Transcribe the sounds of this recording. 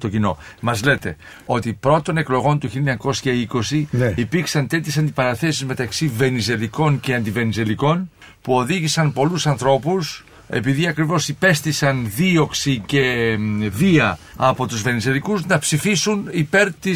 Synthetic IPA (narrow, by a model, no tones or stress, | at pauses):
t̪o̞cino̞̰mɐzle̞t̪e̞ | o̞t̪ipɾo̞t̪o̞ne̞klo̞ɣo̞nt̪uçiliɲɐko̞sçɐiko̞siipiɾksɐnt̪e̞t̪çe̞sɐnd̪ipɐɾɐθe̞sizme̞t̪ɐksive̞nize̞liko̞nceɐnd̪ive̞nize̞liko̞n | puo̞ðiʝisɐnpo̞lusɐnθɾo̞pus | e̞̰piðiɐkɾivo̞sipe̞st̪isɐnðio̞ksice̞viɐ | ɐpo̞t̪uzve̞nize̞likuznɐpsifisunipe̞ɾt̪i